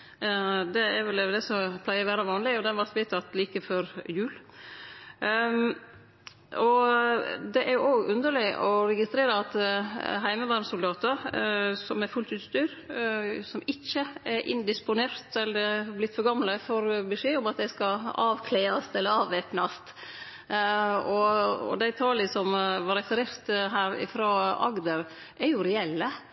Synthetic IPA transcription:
d̪ɛɛɾʋɛld̪ɛsɔpʰlæɪəɾʋæːɾɑʋɑːnlɪɔd̪ɛnʋɑɾt̪ʋiːt̪ʰɑt̪liːkəfɔɾjʉːl | ɔ | d̪ɛʔæɾjʊʔoːɡʉnd̪əɭɪʔɔɾɛɡɪst̪ɾeːɾəɑt̪ɦæɪməʋɑɾmsʊld̪ɑːt̪əɾsɔmæɾfʉlt̪ʉːt̪st̪yːɾ | sɔmɪçːəɛʔɪ̰nd̪ɪspʊneːɾt̪ɛlːəɾblɪt̪ːfɔɾɡɑmləfɔɾbɛʂeːʊmɑt̪̚d̪æɪskɑɑːʋkʰleːɑst̪ɛlːəɾɑːʋʋeːpnɑst̪ | ɔɔ̰d̪æɪt̪ʰɑːlɪsɔmʋɑɾɛsɾeːɾt̪ɦæːɾɪ̰fɾoːɑ̰ɡd̪əɾ | ʔæɾjʊɾɛɛlːə

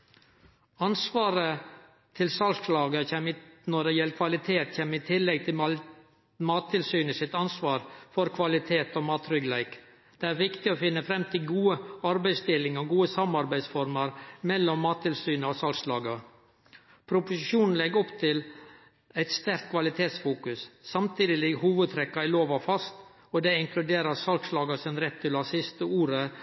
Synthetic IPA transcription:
ɑnsʋɑːɾə | t̪ʰɪlsɑlslɑːɡəçɛmnɔɖɛjɛlːəkʰʋɑlɪt̪ʰeːt̪çeːmɪt̪ʰɪlːɛɡ̚t̪ʰɪ | mɑːt̪ʰːɪlsyːnəsɪt̪ɑnsʋɑːɾfɔɾkʰʋɑlɪt̪ʰeːt̪omɑːt̪ɾʏɡlæɪk | d̪̥ɛæːɾʋɪkt̪ɪɔfɪnːəfɾɛmt̪ʰɪlɡuːəɑɾbæɪst̪ɪlɪŋɔɡuːəsɑmɑɾbæɪsfɔɾməɾmɛlːɔmːɑːt̪ʰːɪlsyːnəɑsɑlkslɑːɡɑ | pʰɾʊpʊsɪʃuːnn̩lɛɡɔpt̪ʰɪl | æɪt̪st̪æɾkt̪̚kʰʋɑlɪt̪ʰeːt̪sfuːkʉssɑmt̪ʰiːd̪ɪlɪɡhuːʋəd̪̚t̪ʰɾɛkːɑɪloːʋɑfɑst̪ | ɔd̪ɛɪŋklʉd̪eːɾəɾsɑlkslɑːɡɑsɪnɾɛt̪ʰːɪlɑsɪst̪əuːɾə

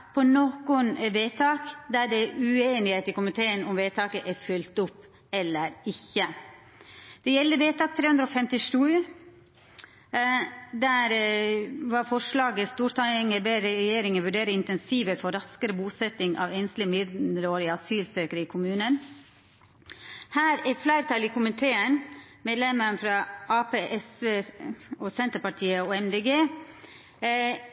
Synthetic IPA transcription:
pʰɔnɔkʊnʋeːt̪ʰɑːkd̪æɖɛʉeːnɪheːt̪ɪkʊmɪt̪ʰeːənʊmʋeːt̪ʰɑːkəʔɛfʉlt̪ʊpː | ɛlːəɾɪçə | d̪̥ɛjɛlːəʋeːt̪ʰɑːk̚t̪ʰɾeːʉnd̪ɾɔːfɛmt̪ɪʂʉː | d̪æːɾ | ʋɑɾfɔʂlɑːɡəst̪uːɾt̪ʰɑŋəbeːɾəɾɛjeːɾɪŋənʋʉɖeːɾəɪnt̪ɛnsiːʋəfɔɾɑskəɾəbuːsɛt̪ɪŋʔɑ̰ʋɛnst̪lɪmɪd̪ɾoːɾɪɑsyːlsøːkəɾəɪːkʰʊmʉːnən | hæːɾɛɾflæɪɾt̪ʰɑliːkʰʊmɪnt̪ʰeːənmeːd̪lɛməɳfɾɑʔɑːpeːʔɛsʋeːɔsɛnt̪əɾpɑʈʰiːəoɛmd̪eːɡeː

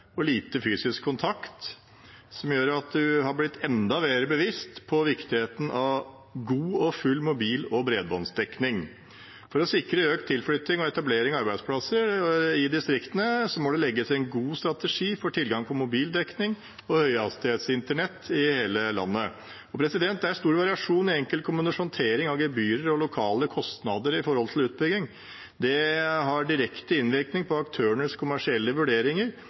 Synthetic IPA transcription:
ɔliːt̪əfyːsɪskʰːʊnt̪ʰɑkt̪ | sɔmjøːɾɑt̪̚d̪ʉɦɑɾblɪt̪ʰːɛnd̪ɑʋeːɾəbəʋɪst̪pʰɔʋɪkt̪ɪheːt̪n̩ʔɑʋ | ɡuːɔfʉlːmʊbiːlɔbɾeːd̪bɔnsd̪ɛknɪŋ | fɔɾɔsɪkɾəøːkt̪ʰːɪlfɽʏt̪ːɪŋɔɛt̪ɑbleːɾɪŋɑɑɾbæɪd̪spʰlɑsəɾɪd̪ɪst̪ɾɪkt̪ənəsɔmɔd̪ɛlɛɡːət̪ʰɛnɡuːst̪ɾɑt̪əʂiːfɔʈʰɪlɡɑŋpʰɔmʊbiːld̪ɛknɪŋ | ɔhœʏɑst̪ɪheːt̪sɪnt̪əɳɛt̪ːɪheːləlɑ̰nːə | ɔpʰɾɛsɪd̪ɛnt̪̚d̪ɛæɾst̪uːɾʋɑɾɪɑʂuːnɪɛŋkəlkʰʊmːənəʂɔnt̪ʰeːɾɪŋɑʋɡɛbyːɾəɾɔlʊkʰɑːləkʰɔst̪nɑd̪əɾɪfɔɾhɔlt̪ʰɪlʉːt̪̚bʏɡɪŋ | d̪ɛɦɑɖɪɾɛkt̪əɪnʋɪɾknɪŋpʰɔɑkt̪ʰøːəɳəskʰʊmæʂɪɛlːəʋʉɖeːɾɪŋəɾ

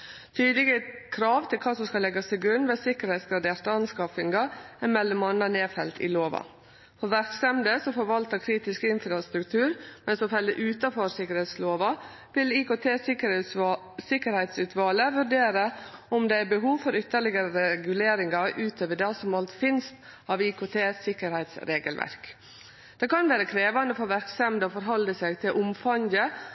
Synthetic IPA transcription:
t̪ʰyːd̪lɪɡəkʰɾɑːʋt̪ʰɪlkʰɑːsɔmskɑlɛɡːɑst̪ʰɪlɡɾʉnːʋeːsɪkəɾhɛɪt̪sɡɾɑd̪eːɾt̪əɑnskɑfɪŋɡɑæmɛlːɔmɑnɑneːfɛlt̪ɪ̰loːʋɑ̰ | fɔɾʋæɾkst̪ɛmd̪əsɔfɔɾʋɑlt̪əkʰɾiːt̪ɪskɪnfɾɑst̪ɾʉkt̪ʰʉːɾmɛnsɔfɛlːəʔʉːt̪ɑfɔɾsɪkːəɾhɛɪt̪sloːʋɑ | ʋɪliːkoːt̪ʰeːs | sɪkəɾhɛɪt̪sʉːt̪ʰʋɑːləʋʉɾɖeːɾəɔmd̪ɛæɾbəɦuːʋfɔɾʏt̪ːəɭɪɡəɾəɾɛɡʉleːɾɪŋɑʔʉːt̪ʰøːʋəɖɑsɔmɑlt̪fɪnst̪ | ɑʋiːkoːt̪ʰeːsɪkəɾhɛɪt̪sɾeːɡə̰lʋʔæ̰ɾk | d̪̥ɛkɑnʋæːɾəkʰɾeːʋɑnəfɔʋæɾkst̪ɛmd̪əɔfɔɾɦɔld̪əsɛɡt̪ʰɪlʔʊmfɑɲə

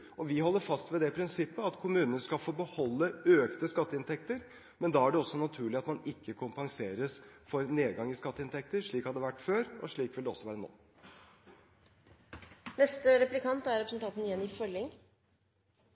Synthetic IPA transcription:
ʔɔʋɪhɔlːəɾfɑst̪ʋɛd̪ɛpʰɾɪnsɪpːəɑt̪kʰʊmʉːnənəskɑlfoːbəhɔlːəøːkt̪əskɑt̪ːəɪnt̪ʰɛkt̪əɾ | mɛnd̪ɑːæɖɛɔsːɔnɑt̪ʰʉːɭɪɑt̪mɑnɪkːəkʰʊmpɑŋseːɾəsfɔɾneːd̪ɡɑŋɪskɑt̪ːəɪnt̪ʰɛk̚t̪əɾʂɭiːkhɑd̪ːəʋæʈːføːɾɔ̰ʂɭiːkʋɪld̪ɛɔ̰sɔʋæːɾəno̰ː | nɛst̪əɾɛplɪkʰɑnt̪æɾɛpɾəsn̩t̪ʰɑnt̪nɪjɛnːɪfœlɪŋ

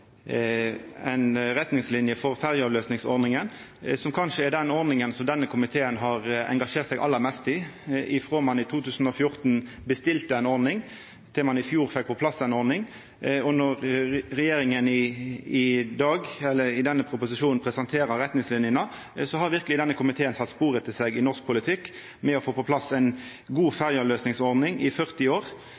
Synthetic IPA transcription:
ɛɪnɾɛt̪nɪŋslɪnjəfɔʁfæʁjəɑːʋløːsnɪŋsɔ̰ɾnɪŋən | sɔmkʰɑnʂəɛd̪ɛnɔɾnɪŋənsɔmd̪ɛnːəkʰʊmɪt̪ʰeːənɦɑʁɛ̰ŋɡɑʂeːt̪sɛɪɡʔɑ̰lːəɾmɛst̪ɪʔɪfʁoːmɑnɪt̪ʰuːt̪ʰʉːsn̩ɔfjʊɾt̪n | bəst̪ɪlt̪əɛɪnɔɾnɪŋ | t̪ʰɪlmɑnɪfjuːʁfɛk̚ːpʰɔpʰlɑsːɛnɔʁnɪŋ | ɔnɔʁʁɛjeːɾɪŋənɪɪd̪ɑːɡɛlːəɾɪd̪ɛnːəpʰɾʊpʊsɪʃuːnn̩pʰɾɛsɑnt̪ʰeːɾəʁɛt̪nɪŋslɪnjənə | sɔhɑɾʋɪɾkəlɪd̪ɛnːəkʰʊmɪt̪ʰeːənsɑt̪ːspuːɾət̪ʰɪlsɛɡɪnɔʁsk̚pʰʊlɪt̪ʰɪkː | mɛɔfoːpɔpʰlɑsɛɪn | ɡuːfæʁjəløːsnɪŋsɔɾd̪nɪŋɪfœʁt̪ɪoːʁ

